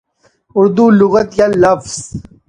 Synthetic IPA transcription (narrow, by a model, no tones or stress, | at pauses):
ʊɾd̪uluɣət̪jalːɐfz̥